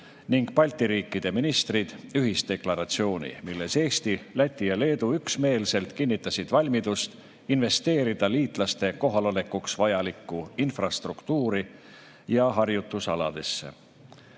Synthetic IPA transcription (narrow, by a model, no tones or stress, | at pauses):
niŋɡ̥pɑlʲt̪iɾiːkːid̪̥e̞minist̪rid̪̥yɦist̪e̞klɑɾɑt̪sio̞ːnʲḭmilːe̞se̞ːst̪ilæt̪ʲːˑijɑle̞ːd̪̥uyksme̞ːlse̞lt̪kinːit̪ːˑɑsid̪̥vɑlʲmid̪̥ust̪ | inve̞st̪e̞ːɾid̪̥ɑliːt̪ˑlɑst̪e̞ko̞ɦɑlole̞kuksvɑjɑlikːˑuinfrɑst̪rukt̪uːɾi | jɑɦɑrjut̪ːusɑlɑ̰d̪e̞sːe̞̰